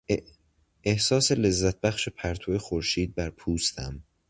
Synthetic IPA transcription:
ehsɒːsele̞zːæt̪̚bæxʃepʰæɾt̪ʰoexoɾʃiːd̪̚bæɾpʰuːst̪ʰæ̰m

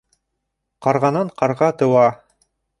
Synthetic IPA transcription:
qɑɾʁɑnɤɴqɑɾʁɑt̪ɤ̆wɑ

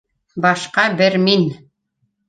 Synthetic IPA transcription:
bɑʃqɑbɘɾmin

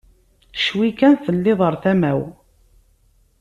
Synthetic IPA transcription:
ʃwikænθənːɪðˤəɾˤθæmæw

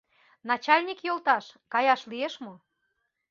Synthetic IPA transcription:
nɑt͡ɕɑlʲnʲikjolˠt̪ɑʃkɑjɑʃlieʃmo

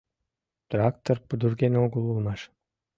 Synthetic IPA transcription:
t̪rakt̪orpud̪uɾɡenoɡulˠulˠmɑʃ

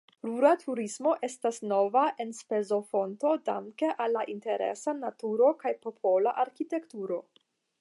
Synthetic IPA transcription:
ɾuɾatʰuɾismo̞ʔe̞stasno̞vaʔe̞nspezo̞fo̞nto̞da̰ŋke̞ʔalːaʔinte̞ɾe̞̰sanatuɾo̞kajpo̞pʰo̞laʔaɾkite̞ktuɾo̞

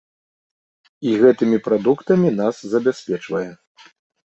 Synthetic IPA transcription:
iɣɛt̪ɨmʲipɾad̪ukt̪ɐmʲin̪aszɐbʲasʲpʲɛt͡ʂvɐjɛ

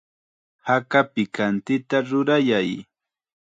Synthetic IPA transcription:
hakapɪkant̪ɪt̪aɾʊɾajaj

